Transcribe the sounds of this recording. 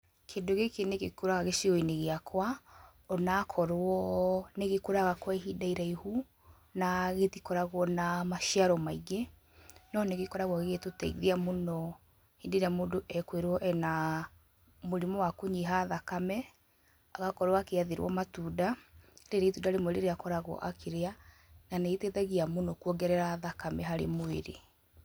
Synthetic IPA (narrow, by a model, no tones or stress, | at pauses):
kʰeːndoɣekeneɣekuɾaɣaɣeʃiɔineɣeakʰwa | ɔnakʰɔɾwɔneɣekoɾaɣakwaɦidaiɾaihu | naɣetikɔɾaɣwɔnamaʃiaɾɔmaiɣe | nɔneɣekɔɾaɣwɔɣɣetota̰ḭðeamonɔ | hendeɾamoːndoʔɛkweɾwɔʔɛna | moɾemɔwakoɲiɦaðakamɛ | aɣakɔɾwakeaðeɾwɔ̰matudaɾeɾeitudaɾemoeɾeɾeakɔɾaɣɔ̰ʔakʰeɾea | naneetetaɣiamonɔkwɔɡɛɾɛɾaðakamɛɦaɾḛmoḛɾḛ